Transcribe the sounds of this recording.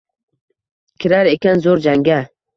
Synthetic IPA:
kʲʰiɾaɾekʲanzoɾd͡ʒaŋɡʲa

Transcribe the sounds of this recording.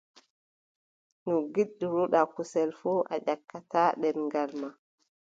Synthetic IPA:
nɔɡiɗːiɾuɗakusɛlfɔʔa̰ʄakːataːɗɛnŋɡalma

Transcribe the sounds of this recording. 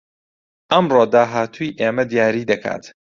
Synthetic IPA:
ʔɐmroːd̪aːɦaːt̪ʰujʔeːmɐd̪ijaːɾiːd̪ɐkʰa̰ːt̪

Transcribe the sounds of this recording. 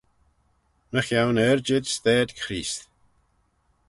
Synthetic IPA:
məxjawnɛɾd͡ʒɪd̪st̪ɛːd̪kxɾiːst̪

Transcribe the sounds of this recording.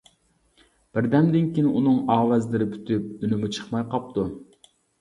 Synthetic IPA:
b̥ɪɾd̪ɛmd̪ɪnkʲinʔunɨŋɑːwɛzlɪɾɪpʰy̥t̪ʰyp̚ynymɪt͡ʃʰə̥χmɑjqɑp̚t̪u

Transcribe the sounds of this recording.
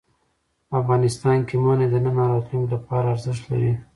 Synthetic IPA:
pafɣɑnɪst̪ɑnkemɑned̪ənanɑɾɑt̪lumlapɑɾaːɾzɪʃt̪la̰ɾi

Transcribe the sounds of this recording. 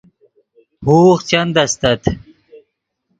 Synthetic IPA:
huːχt͡ɕɐnd̪ɐst̪ɐt̪

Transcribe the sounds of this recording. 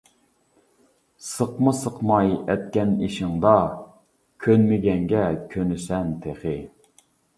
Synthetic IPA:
səqmɨsəqmɑjɛt̪̚kʲɛniʃɪŋd̪ɑ | kʲʰønmɪɡʲɛŋɡʲɛkʲʰønysɛnt̪ʰeχɪ

